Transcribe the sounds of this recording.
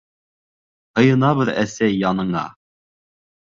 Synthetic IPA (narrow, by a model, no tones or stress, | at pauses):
hɤ̆jɤ̆nɑβɤɾæsæjːɑnɤ̆ɴɑ̰